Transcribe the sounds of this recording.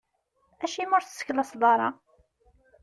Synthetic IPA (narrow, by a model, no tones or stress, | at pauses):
æʃimʊɾθsːə̥çlɑsˤðˤɑɾˤɑ̰